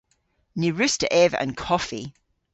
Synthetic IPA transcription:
niɹʉstə̰ʔɛvə̰̃nkʰɔfḭ

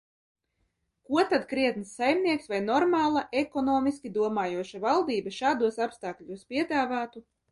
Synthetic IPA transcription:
kuɔt̪ad̪kɾiɛt̪nsːajmnʲiɛksvajnɔɾmaːlˠaʔekɔnɔːmiskʲid̪uɔmaːjuɔʃavalˠd̪iːbɐʃaːd̪uɔsapst̪aːkʎʲuspʲiɛd̪aːvaːt̪u

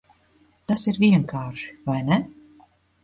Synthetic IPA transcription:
t̪asiɾviɛŋkaːɾʃi̥vajnɛ

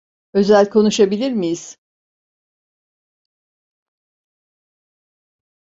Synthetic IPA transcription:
ø̞zælʲkʰo̞nuʃabilʲiɾmijiz̥

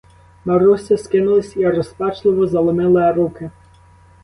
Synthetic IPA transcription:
mɐɾusʲɐskɪnʊlˠɪsʲiɐɾɔspɑt͡ʃlˠɪʋɔzɐlˠɔmɪlˠɪɾukɪ

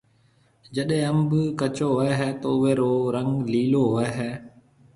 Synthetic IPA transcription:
d͡ʒəɗɦẽːəmbkət͡ʃoːɦɛɦɛːt̪oːʊʋeːɾoːɾəŋɡliːloːɦɛːɦɛː

